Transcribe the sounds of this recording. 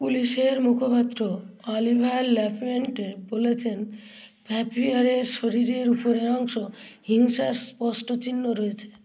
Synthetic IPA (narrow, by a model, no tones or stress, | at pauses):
puliseɾmukʰopat̪ːɾoɔlibʱajlːɛpʰmeɳʈebolet͡ʃʰen | pʰɛpʰiaɾeɾʃɔɾiɾeɾupɔɾeɾɔŋsɔhiŋsaɾspɔsʈɔt͡ʃinːoɾɔet͡ʃʰe̥